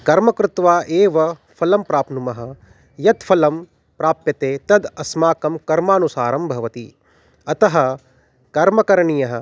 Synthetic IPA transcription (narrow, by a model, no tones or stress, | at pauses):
kɐɾmɐkɾɪt̪ʋaːʔeːʋɐ | pʰɐlɐmpɾaːpnumɐɦɐ̆ | jɐt̪fʰɐlɐm | pɾaːpjɐt̪eːt̪ɐd̪ɐsmaːkɐmkɐɾmaːnusaːɾɐmbʱɐʋɐt̪i | ɐt̪ɐɦɐ̆ | kɐɾmɐkɐɾɐɳijɐɦɐ̆